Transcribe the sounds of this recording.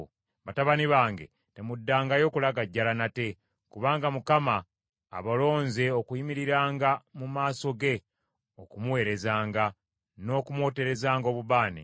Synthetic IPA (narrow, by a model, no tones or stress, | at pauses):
βataβaniβaːŋɡe̞̰ | te̞mudːaːŋɡajo̞ːkulaɡaɟːalanate̞ | kuβaːŋɡamukama̰ː | βalo̞ːnze̞o̞kuimiɾiɾaːŋɡamumaːso̞ɡe̞ | okumuwe̞ːɾe̞zaːŋɡa | no̞kumwo̞ːte̞ɾe̞zaːŋɡo̞ːβuβaːnḭ